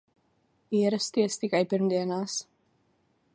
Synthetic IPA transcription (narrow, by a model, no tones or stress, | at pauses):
iɾəst̪ist̪ikɛjpəɾmd̪iːnaːs